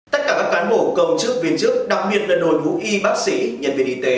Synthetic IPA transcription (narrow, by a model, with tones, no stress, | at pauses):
t̪ə˦˥t̚kaː˧˩kaː˦˥kːaː˨˦nɓo˧˩kə˧˩wt͡ɕɨ˦˥ək̚vi˧ənt͡ɕɨ˦˥ək̚ɗa˨˩k̚ɓi˨˩ət̚laː˨˩no˨˩jɗu˨˦ʔi˧ɓaː˦˥k̚si˧˩ɲə̰˨˩n̚ɓe˧˩nʔi˧˩t̪e˨˦